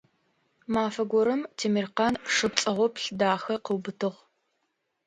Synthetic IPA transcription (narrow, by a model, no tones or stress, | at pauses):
maːfɐɡʷɔɾɐmtʰeːmirqɑnʂɨp̚t͡sʼɐʁʷɔpɬdaːxɐqəwbɨtʰɨʁ